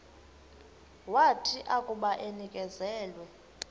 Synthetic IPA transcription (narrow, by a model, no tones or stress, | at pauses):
watʰiʔakʼuɓaʔenikʼɛzɛːlwɛ